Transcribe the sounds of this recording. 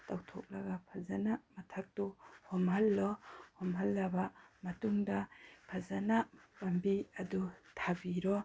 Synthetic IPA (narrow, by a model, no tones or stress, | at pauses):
tawtʰɔk̚laɡapʰazanamɐtʰak̚tuhɔmɦalːɔhɔmɦalːabamɐtuŋdapʰazanapambiɐdutʰabiɾɔ